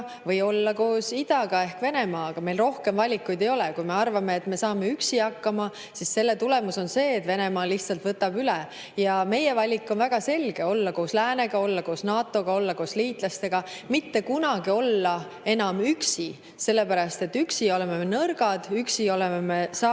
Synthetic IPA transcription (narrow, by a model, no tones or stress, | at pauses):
vɤjo̞lːɑko̞ːsid̪̥ɑɡ̥ɑe̞hkve̞ne̞mɑːɡ̥ɑme̞jlro̞hke̞mvɑlʲikːujd̪e̞jo̞lɛkujme̞ɑrvɑme̞ːt̪ːme̞sɑːme̞yksiɑkːɑmɑ | sisse̞lːe̞t̪ule̞muso̞nse̞ːt̪ːve̞ne̞mɑːliht̪sɑlt̪vɤt̪ːˑɑbylɛ | jɑme̞je̞vɑlʲikːˑo̞nvæɡ̥ɑse̞lʲɡ̥e̞o̞lːɑko̞ːslæːne̞ɡ̥ɑolːɑko̞ːsnɑːt̪ːˑo̞ɡ̥ɑo̞lːɑko̞ːsliːt̪ˑlɑst̪e̞ɡ̥ɑmit̪ːe̞kunɑɡ̥io̞lːɑ | e̞nɑmyksi | se̞lːe̞pæɾɑst̪e̞t̪ːyksio̞lememenɤrɡɑd̪̥yksio̞lememesɑ